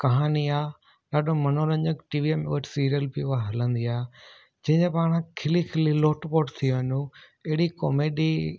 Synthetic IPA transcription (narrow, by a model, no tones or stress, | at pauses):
kɐɦaːniaː | ɗaːɗomɐnoːɾɐ̃ɲəkʈiːʋiemʊ̰ɦəʈʰsiːɾijəlbiʊɦaɦɐlə̃nd̪iaː | d͡ʑɐ̃ɦɪ̃ɲd͡ʑẽpaːɽ̃ãkʰɪlikʰɪliloːʈpoːʈt̪ʰiʋɐnũ | ɐɦɪɽiko̰ːmeːɖi